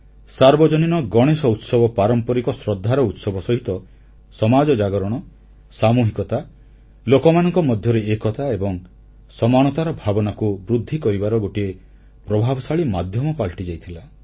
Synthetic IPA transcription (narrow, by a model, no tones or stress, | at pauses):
saɾbɔd͡ʒɔninɔɡɔɽ̃esɔut̪sɔbɔpaɾɔmpɔɾikɔsɾɔd̪ʱːaɾɔut̪sɔbɔsɔɦit̪ɔ | sɔmad͡ʒɔd͡ʒaɡɔɾɔɽ̃ɔ | samuɦikɔt̪a | lokɔmanɔŋkɔmɔd̪ʱjɔɾeekɔt̪aebɔŋ | sɔmaɽ̃ɔt̪aɾɔbʱabɔnakubɾud̪ʱːikɔɾibaɾɔɡoʈie | pɾɔbʱabɔsaɭimad̪ʱjɔmɔpalʈid͡ʒajt̪ʰila